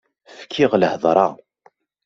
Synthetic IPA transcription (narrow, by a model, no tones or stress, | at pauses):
fkʰːɪʁləhðˤɾˤɑ